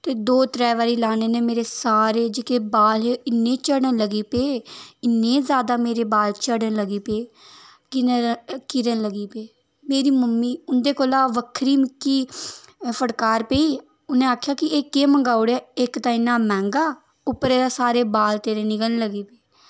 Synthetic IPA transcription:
t̪eːd̪oːt̪ɾɛːʋaːɾiːlaːneːneːmeːɾeːsaːɾeːd͡ʒɪkeːbaːlɦeːɪnːẽːt͡ʃəɽənləɡiːpeːɪnːẽːzjaːd̪aːmeːɾeːbaːlt͡ʃəɽənləɡiːpeː | kɪnekɪɾənləɡiːpeː | meːɾiːməmːiːʊnd̪eːkoːlaːʋəkʰɾiːmɪkːiː | pʰəɽkaːɾpeːiː | ʊnẽːaːkʰjaːkɪeːkeːməŋɡaːʊɽaːɪkt̪ãːɪnːaːmɛ̃ːŋɡaː | ʊpːɾeːd̪aːsaːɾeːbaːlt̪eːɾeːnɪɡənləɡiːpeː

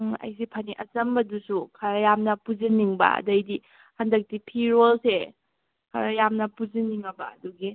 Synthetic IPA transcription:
ɐ̰jsipʰɐniʔɐt͡ʃɐmbɐdusukʰaɾɐjamnɐpuziniŋbɐ̰ɐ̰dɐjdi | handɐk̚tipʰiɾolse | kʰɐɾajamnɐpuziniŋɐbɐ̰ɐ̰duɡi

